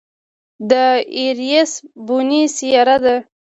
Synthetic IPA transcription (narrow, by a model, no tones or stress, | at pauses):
d̪əiɾjesbunisijɑɾat̪d̪a